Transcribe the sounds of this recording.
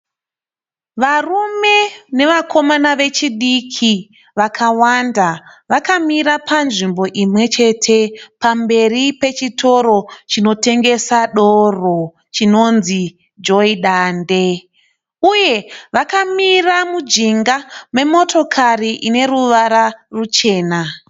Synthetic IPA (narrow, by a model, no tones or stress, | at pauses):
ʋarume̞ne̞ʋakʰo̞manaʋe̞t͡ʃiɗikʰi | ʋakʰawandaʋakamiɾapʰanʐimbo̞ʔimwe̞t͡ʃe̞tʰe̞pambe̞ripe̞t͡ʃitʰo̞ɾo̞t͡ʃino̞te̞ŋɡe̞saɗoro̞ | t͡ʃino̞nzi | d͡ʒo̞iɗaːnde̞ | uje̞ʋakamiramud͡ʒiŋɡame̞mo̞to̞kʰariʔine̞ruʋaɾarut͡ʃe̞ːna